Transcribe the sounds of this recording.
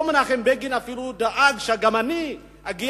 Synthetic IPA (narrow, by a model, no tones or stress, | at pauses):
omanaχembeɡinafilud̪aʔaɡʃaɡamani | aɡi